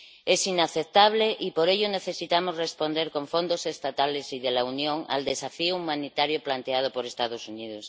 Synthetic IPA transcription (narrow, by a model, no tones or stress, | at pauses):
esinaθet̪aβ̞leʔipoɾeʎone̞θesit̪amozrespond̪eɾkõɱfo̞nd̪ose̞st̪at̪alesiðelaunjõŋa̰ld̪e̞safioumãnit̪aɾjoplant̪eað̞opoɾest̪að̞osuniðos